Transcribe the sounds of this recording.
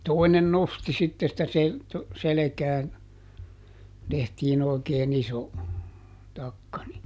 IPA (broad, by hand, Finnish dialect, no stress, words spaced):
toinen nosti sitːe sĭtæ se selekæːn tehtiːn oˑikeːn iso tɑkːɑ ni